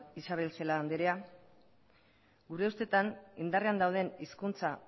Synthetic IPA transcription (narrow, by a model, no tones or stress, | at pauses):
isaβ̞e̞lse̞laːnd̪eɾea | ɡuɾe̞ust̪e̞t̪anind̪areand̪awð̞e̞niskunt͡sa